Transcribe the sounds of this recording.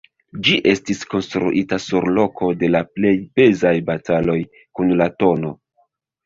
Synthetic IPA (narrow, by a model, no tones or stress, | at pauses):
d͡ʒiʔe̞stisko̞nstɾṵʔitasuɾlo̞kʰo̞de̞laple̞jbe̞zajbatalo̞j | kunlato̞no̞